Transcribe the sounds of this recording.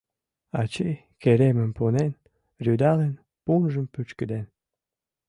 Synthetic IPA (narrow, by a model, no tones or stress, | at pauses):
ɑt͡ɕi | keɾeməmpunen | ryd̪ɑlen | punʒəmpyt͡ɕkəd̪en